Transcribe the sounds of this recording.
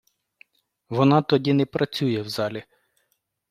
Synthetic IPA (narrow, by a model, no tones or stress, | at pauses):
ʋɔnɑt̪ɔdʲinɛpɾʔɐt͡sʲujɛwzɑlʲi